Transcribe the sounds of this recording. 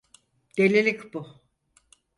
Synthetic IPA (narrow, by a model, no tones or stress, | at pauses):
d̪̥elʲelʲicbʊ